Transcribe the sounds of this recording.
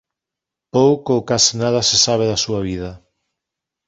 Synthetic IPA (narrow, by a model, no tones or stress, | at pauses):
powkoːkasnað̞ɐsesaβ̞eðasuɐβ̞ið̞ɐ